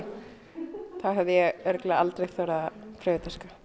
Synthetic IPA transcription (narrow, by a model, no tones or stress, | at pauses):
θaɦɛvðɪjɛɣɛɾklaalt̪ɾejɣθœːɾapʰɾɛːvɪt̪askḁ